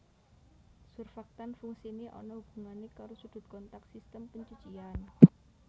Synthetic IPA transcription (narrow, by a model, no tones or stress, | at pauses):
surfak̚t̪anfuŋsineʔɔ̰nɔub̥ṳŋanekaɾosud̪̥ʊ̤t̪̚kɔnt̪ak̪̚sist̪əmpəɲt͡ʃut͡ʃian